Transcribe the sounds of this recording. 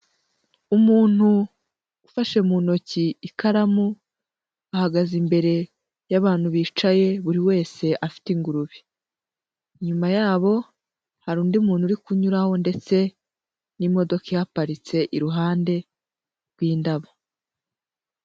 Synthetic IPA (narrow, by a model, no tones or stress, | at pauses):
umuːn̥hu | ufaʃe̞muno̞ciːkaɾamu | ahaɡazimbe̞ɾe̞ | jaβaːn̥huβiːt͡ʃaje̞βuɾiwe̞ːse̞ʔafi̥tiŋɡuɾuβi̥ | ɲumajaːβo̞ | haɾuːndiumuːn̥uɾikuɲuɾaho̞nde̞t͡se̞ | nimo̞do̞kejapaɾit͡se̞ʔiɾuɦaːnde̞ | ɾɡwiːndaβo